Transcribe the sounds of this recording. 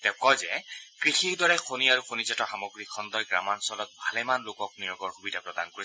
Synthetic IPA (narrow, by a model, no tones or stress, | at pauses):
tɛʊkɔjzɛkɹixiɹdɔɹɛxoniaɹuxʰonizɛtɔxamoɡɹikʰɔndɔjɡɹa̰mansɔlɔk̚bʱalɛmanlokɔk̚nijɔɡɔɹxubidʱapɹɔdankoɹis